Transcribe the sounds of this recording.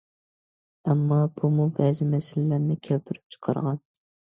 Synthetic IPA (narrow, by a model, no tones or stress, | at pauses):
ɛmːɑbumubɛzɪmɛsɪlːæɾnɪkʲʰelt̪ʰyɾy̥p̚t͡ʃʰə̥qʰɑ̰ɾʁɑn